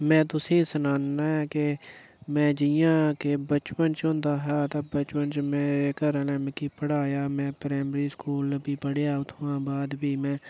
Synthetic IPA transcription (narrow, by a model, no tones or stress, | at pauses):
mɛ̃ːt̪ʊsĩːsənaːnːaːɛːke | mɛ̃ːd͡ʒɪjãːkebət͡ʃpənt͡ʃõnd̪aːɦaːt̪aːbət͡ʃpənt͡ʃmeːɾeːkəɾənɛ̃ːmẽkiːpəɽaːjaːmɛ̃ːpɾɛːmɾiːskuːlbiːpəɽjaːʊt̪ʰʋãːbaːd̪biːmɛ̃ː